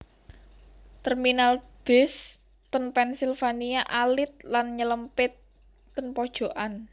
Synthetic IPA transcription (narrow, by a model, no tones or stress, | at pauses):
t̪ərminalb̥ɛs | t̪ənpɛnsilfaniaʔalɪt̪̚lanɲələmpɪt̪ː | ənpɔd̥ʒ̥o̤ʔan